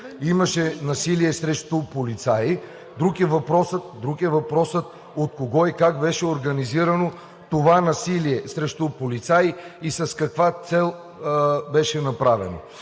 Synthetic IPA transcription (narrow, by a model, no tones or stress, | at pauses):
imɐʃɛnɐsiliɛsɾɛʃt̪opolit̪saji | d̪ɾukɛvɐpɾɔsət̪̚d̪ɾukɛvɐpɾɔsət̪̚ | ot̪̚koɡɔikakbɛʃɛoɾɡɐniziɾɐno | t̪ovanɐsiliɛsɾɛʃt̪opolit̪saiisɐskɐkvat̪sɛlˠ | bɛʃɛnɐpɾavɛ̰no̰